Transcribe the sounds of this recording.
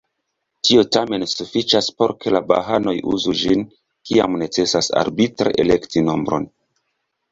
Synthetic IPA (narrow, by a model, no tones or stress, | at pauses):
tio̞tame̞nsufit͡ʃaspo̞ɾkʰe̞laba̰ɦano̞jṵzud͡ʒin | kia̰mne̞t͡se̞sasa̰ɾbitɾeʔele̞ktino̞mbɾo̞̰n